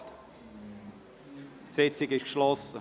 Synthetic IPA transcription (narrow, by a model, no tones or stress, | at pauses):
set͡sɪɡɪʃkʃlɔsə